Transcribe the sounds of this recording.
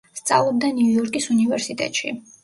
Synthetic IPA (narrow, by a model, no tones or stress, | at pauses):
st̪sʼa̰lˠɔb̚d̪anuujɔɾkʼisunivɛɾsit̪ʼɛ̰t̪ʼʃḭ